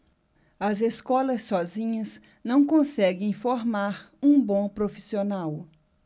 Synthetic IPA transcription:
ɐzeskɔlɐsːɔzĩɲɐz | nɐ̃w̃kõsɛɡẽj̃foɾmaɾũbõpɾofi̥sionaw

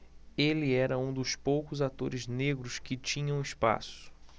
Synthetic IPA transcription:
elɪɛɾɐũd̪ʊspowkʊzat̪oɾɪzneɡɾʊskɪt͡ʃĩɲɐ̃w̃ɪspa̰sʊ̥

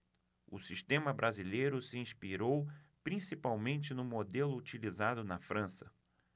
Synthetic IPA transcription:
ʊ̰siʃt̪ẽmɐbɾʔazilejɾʊsɪĩspiɾowpɾĩsipawmẽnt͡ʃɪnʊmod̪elʊːt͡ʃilizad̪ʊnɐfɾɐ̃sɐ

